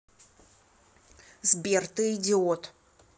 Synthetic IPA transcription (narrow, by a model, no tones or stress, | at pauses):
zbʲert̪ɨidʲɪot̪ʰ